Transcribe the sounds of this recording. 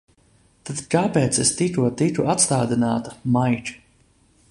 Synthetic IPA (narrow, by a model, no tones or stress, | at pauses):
t̪ad̪kaːpeːt̪sest̪it̪uɔt̪ik̪uʔat̪st̪aːd̪inaːt̪ḁmajt͡ʃ